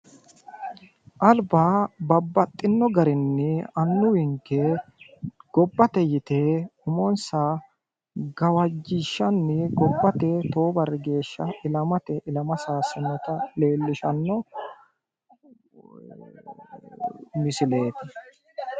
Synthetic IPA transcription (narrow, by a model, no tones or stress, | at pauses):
ʔɐlbaːbɐbːɐt̪ʼːɪnːɔɡɐɾɪnːɛɐnːʊwɪŋkːɛ | ɡ̥ɔbːɐt̪ɛjɪt̪eʊmɔnsa | ɡɐwɐd͡ʒːɪʃːɐnːɪɡɔbːɐt̪ɛt̪o̞ːbɐrːɛɡe̞ːʃːɐɪlɐmɐt̪ɛʔɪlɐmɐsaːsɪnɔt̪ɐleːlːɪʃɐnːɔ | mɪsɪle̞ːt̪ɪ